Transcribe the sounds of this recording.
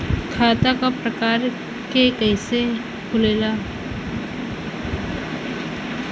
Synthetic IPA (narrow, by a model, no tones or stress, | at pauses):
kʰaːt̪akapɾəkaːɾ | kekɛːse | kʰʊleːlaː